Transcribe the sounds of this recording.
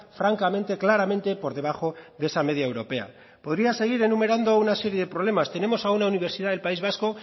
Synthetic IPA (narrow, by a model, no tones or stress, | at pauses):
fɾaŋkamẽ̞nt̪e̞klaɾame̞nt̪e̞po̞ɾðe̞β̞axo̞ðee̞same̞ð̞jaewɾo̞pe̞a̰ | po̞ðɾiase̞ɣ̞iɾe̞nume̞ɾand̪ounase̞ɾje̞ðe̞pɾo̞le̞mast̪ene̞mo̞saunauniβ̞e̞ɾsiðaðe̞lpaizβasko